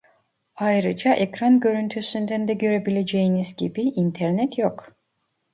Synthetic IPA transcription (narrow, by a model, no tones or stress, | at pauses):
ajɾɯd͡ʒɑʔekɾanɟø̞ɾynt̪ʰysynd̪ænd̪ɛɟø̞ɾebilʲed͡ʒejinizɟibiʔint̪ʰeɾnɛt̪jok